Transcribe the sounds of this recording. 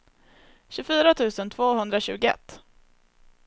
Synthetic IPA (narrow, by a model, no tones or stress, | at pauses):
ɕɵfyːɾat̪ʰʉ̟ːsənt̪ʰv̥oːɦɵnd̪ɾaɕʉ̟ːɡʊɛ̰t̪ː